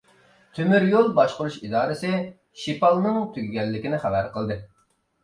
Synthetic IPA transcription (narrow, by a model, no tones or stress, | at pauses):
t̪ʰømyɾjolˠbɑʃqʊɾuʃid̪ɑːɾɨsɪ | ʃipɑlˠnɨŋt̪ʰyɡʲiɡʲɛlːɪkʲɪnɪχæbæɾqəlˠd̪ɨ